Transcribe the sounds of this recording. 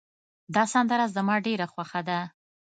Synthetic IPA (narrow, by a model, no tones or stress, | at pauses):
d̪ɑsand̪əɾɑzzəmɑɖeɾaxwaxad̪a